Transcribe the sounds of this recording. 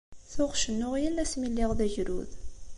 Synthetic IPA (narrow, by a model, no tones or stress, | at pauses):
θʊʁʃənːʊʁjənːæsmilːɪʁðæʝɾṵð